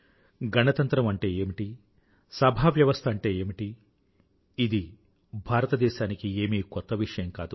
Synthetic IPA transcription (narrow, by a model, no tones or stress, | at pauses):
ɡɐnɐt̪ɐnt̪ɾɐmɐɳʈe̞ːeːmiʈi | sɐbʱaːʋjɐʋɐst̪ʰɐɳʈe̞ːeːmiʈi | id̪i | bʱaːɾɐt̪ɐd̪ɛːʃaːnikieːmiːkɔt̪ːɐʋiʂɐjɐmkaːd̪u